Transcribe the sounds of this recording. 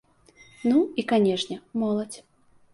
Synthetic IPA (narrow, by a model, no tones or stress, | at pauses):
nuikanʲɛʂnʲɛmɔlˠɐt͡sʲ